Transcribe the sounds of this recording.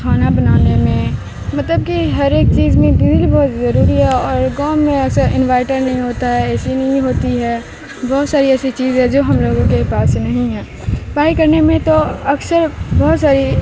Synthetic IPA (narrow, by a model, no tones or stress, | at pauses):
kʰaːnabɐnaːnemẽ | mɐt̪ləb̚kiɦɐɾeːk̚t͡ʃiːzmẽb̪ɪdlibɔːt̪zɐɾuːɾiɦɛɔːɾɡaːmːẽɐsəɾʔɪ̃nʋaːɪʈəɾnɐɦĩɦoːt̪aɦɛɛːsinɐɦĩɦoːt̪iɦɛː | bɔɦʊt̪saːɾiɛːsit͡ʃiːzɦɛ̃d͡ʒoːɦɐmloːɡõkepaːsnɐɦĩɦɛː | paːikɐɾnemẽt̪oɐksəɾbɔɦːt̪saːɾi